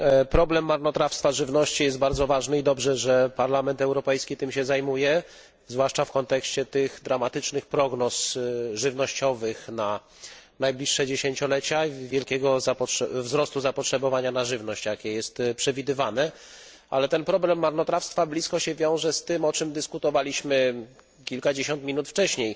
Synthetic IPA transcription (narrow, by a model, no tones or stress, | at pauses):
pɾɔblɛmːaɾnɔt̪ɾafst̪faʐɘvnɔɕt͡ɕijɛst̪̚baɾd̪zɔvaʐnɘid̪ɔbʐɛʐɛpaɾlamɛnt̪ɛwɾɔpɛjskʲit̪ɘmɕɛzajmujɛ | zvwaʂt͡ʂafkɔnt̪ɛkɕt͡ɕɛt̪ɘxd̪ɾamat̪ɘt͡ʂnɘxpɾɔɡnɔsʐɘvnɔɕt͡ɕɔvɘxna | najblʲiʂːɛd͡ʑeɕeɲt͡ɕɔlɛt͡ɕavʲjɛlkʲɛɡɔzapɔʂvzɾɔst̪uzapɔtʂɛbɔvaɲanaʐɘvnɔɕt͡ɕjakʲɛjɛst̪pʂɛvʲid̪ɘvanɛ | a̰lɛt̪ɛnpɾɔblɛmːaɾnɔt̪ɾafst̪fablʲiskɔɕɛvʲjɔ̃w̃ʐɛst̪ɘmɔt͡ʂɘmd̪ɘskut̪ɔvalʲiɕmɘ | kʲilkad͡ʑeɕɔnt̪mʲinut̪ft͡ʂɛɕɲej